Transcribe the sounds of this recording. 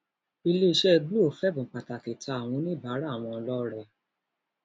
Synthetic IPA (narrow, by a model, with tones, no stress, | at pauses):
i˧le˦˧ʃɛ˦˧ɡ͡bu˦o˨fɛ˦bũ˨k͡pa˨ta˨ti˨tʰa˧a˨w̃ɔ̃˧˦nĩ˦ba˨˦ɾa˦˨w̃ɔ̃˧lɔ˦ɾɛ˦˨